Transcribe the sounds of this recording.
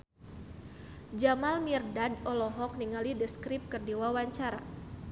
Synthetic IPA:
d͡ʒamalmirdadɔlɔɦɔk̚niŋalidəskɾip̚kərdiwawaɲt͡ʃaɾa̰

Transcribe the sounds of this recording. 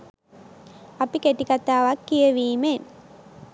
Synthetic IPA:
apikeʈikat̪aːʋakːijəʋiːmen

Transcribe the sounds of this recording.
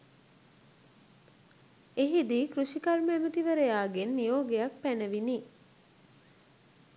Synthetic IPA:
eɦid̪ikruʃikarməæmət̪iʋəɾəjaːɡenːijoːɡejak̚pænəʋini

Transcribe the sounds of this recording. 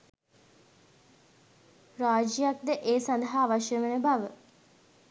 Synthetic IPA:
ɾaːd͡ʒijak̚d̪əʔeːsand̪əɦaːʋaʃjəʋənəbaʋə

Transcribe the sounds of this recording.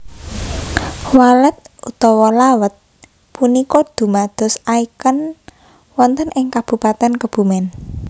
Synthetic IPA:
walət̪̚ut̪ɔwɔlawət̪̚ | punikɔd̪̥ṳmad̪̥ɔ̤saikən | wɔnt̪ənʔɪŋkab̥ṳpat̪ɛnkəb̥ṳmɛn

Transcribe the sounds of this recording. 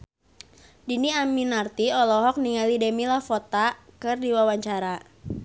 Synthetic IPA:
diniaminart̪iɔlɔɦɔk̚niŋalidemilafɔt̪akɨrdiwawaɲt͡ʃaɾa

